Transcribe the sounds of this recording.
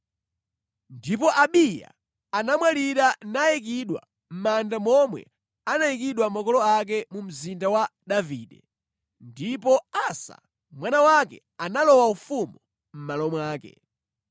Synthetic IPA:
ndipɔʔaɓija̰ | anamwaliɾanajɛk̬iɗwa̰ | m̩mandamɔmwɛ̰ | anajik̬iɗwamakɔlɔak̬ɛmum̩zindawaɗaviɗɛ | ndipɔasa̰ | mwanawakɛ̰ | analɔwaufumu | m̩malɔmwaːkɛ̰

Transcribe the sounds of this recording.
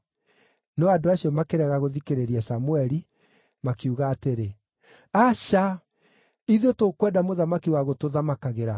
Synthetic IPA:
nɔadoaɕiɔmakeɾɛɣaɣoðikeɾeɾiasamuɛɾi | makiuɣaːteɾe | aɕa | iðotokwɛdamoðamakiwaɣotoðamakaɣeɾa

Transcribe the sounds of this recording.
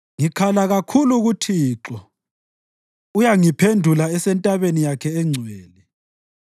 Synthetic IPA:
ŋikʰalaɣakʰuluɣutʰiːǁɔ | ujaŋipʰendʱulaɛsɛntʼaβenijakʰɛɛŋ͡ǀʱweːli

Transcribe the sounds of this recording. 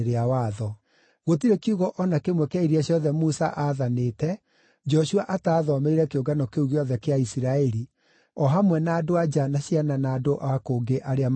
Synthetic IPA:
ɾeawaðɔ | ɣot̬iɾekiuɣɔʔɔnakemwɛkeaiɾiaɕjɔðɛmusa̰ʔaðaneːtɛ | d͡ʒɔʃuaʔataːðɔmeiɾɛkeoɡanɔkeuɣeɔðɛkeaisiɾaɛɾi | ɔɦamwɛnaːdoad͡ʒanaɕjananaːdoʔaakoːɡeʔaɾeam

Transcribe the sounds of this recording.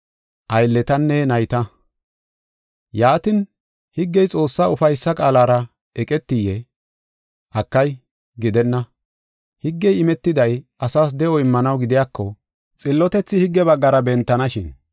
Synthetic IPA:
ʔɐjlːɛt̪ɐnːɛnɐjt̪ɐ | jaːt̪ɪn | hɪɡːɛjt͡sʼo̞ːsːaːʊfɐjsːɐkʼaːlaːɾɐ | ʔɛkʼɛt̪ːɪjɛ | ʔɐkːɐj | ɡɪd̪ɛnːɐ | hɪɡːɛjɪmɛt̪ːɪd̪ɐjɐsaːs̬d̪ɛʔɔɪmːɐnɐwɡɪd̪ɪjaːkʰːɔ | t͡sʼɪlːɔt̪ɛt͡sːɪhɪɡːɛbɐɡːɐɾɐbɛnt̪ːɐnɐʃɪn

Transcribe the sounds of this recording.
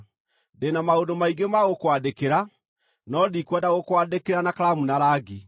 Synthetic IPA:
denamaondomaiɡemaɣokwadekeɾa | nɔdikwɛdaɣokwadekeɾanakaɾamunaɾaːɡi

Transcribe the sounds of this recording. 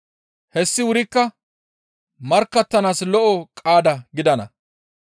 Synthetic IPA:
hɛsːɪwʊɾɪkːɐ | mɐɾkːɐt̪ːɐnaːslɔʔɔkʼaːd̪ɐɡɪd̪ɐnɐ̰

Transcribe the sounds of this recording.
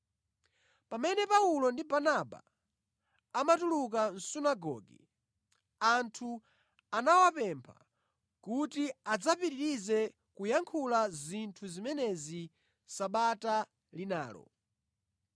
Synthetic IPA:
pamɛnɛpaulɔndibanaɓa̰ | matuluk̬an̩sunaɡɔ̰ːɡɛ | antʰu | anawapɛmpʰa̰ | kutiad͡zapiɾiɾizɛ | kujaŋkʰulazintʰuzimɛnɛzi | saɓata | lina̰ːlɔ̰

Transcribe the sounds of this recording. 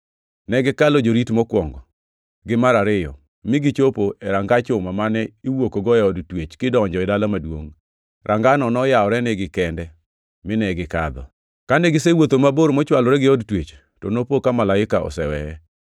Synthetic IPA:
nɛɡɪkalɔd͡ʒoɾitmɔkwɔŋɡɔ | ɡɪmaɾaɾɪjɔ̰ | mɪɡɪt͡ʃopoʔɛɾaŋɡat͡ʃʊmamanɛiwokoɡɔɛɔdtwet͡ʃkɪdɔɔɲd͡ʒɔɪdalamadwoŋ | rʔaŋɡanɔnɔjaɔɾɛnɛɡɪkɛndɛ | mɪnɛɡɪkad̪ɔ̰ | kaneɡɪsewot̪omaboɾmɔt͡ʃwalɔɾɛɡɪɔdtwet͡ʃ | tɔnopokamalaɪkaɔ̰sɛwɛ̰ɛ

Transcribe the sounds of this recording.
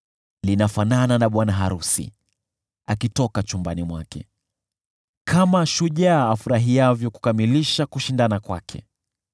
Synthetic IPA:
linafanananaɓwanaɦaɾusḭ | akitɔkat͡ʃumbanimwakɛ̰ | kʰamaʃuʄaːfuɾaɦiavjɔku̥kamiliʃakuʃindanakwa̰kʰɛ̰

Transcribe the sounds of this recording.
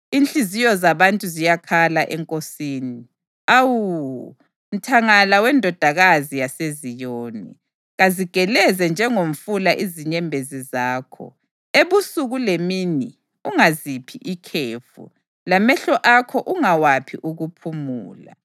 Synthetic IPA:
inɬizijɔzaβantʼuzijakʰalaʔɛŋkʼosiːni | awu | m̩tʰaŋalawɛndʱɔd̥ʱaɣazijasezijoːnḭ | ɣaziɡ̥ʱɛlɛzɛnd͡ʒʱɛŋom̩fulaʔiziɲɛmbʱezizaːkʰɔ̰ | eβusuɣulemini | uŋazipʰiʔikʰeːfṵ | lamɛɬɔʔakʰɔʔuŋawapʰiʔuɣupʰumuːla̰

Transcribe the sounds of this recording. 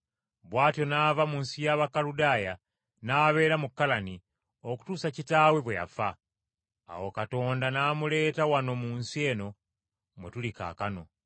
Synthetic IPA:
βwaːtjo̞navamuːnsijaβakaludaːja | naːβe̞ːɾamukːalani | o̞ku̥tuːsacitaːwe̞βweja̰fa̰ː | wokato̞ːndanaːmule̞ːtawano̞muːnsie̞ːno̞ | mwetulika̰ːkano̞

